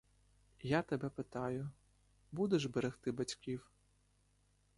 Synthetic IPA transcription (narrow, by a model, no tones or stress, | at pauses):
jat̪ebɛpɪt̪ɑjʊ | bud̪eʒbeɾext̪ɪbɐtʲkʲiw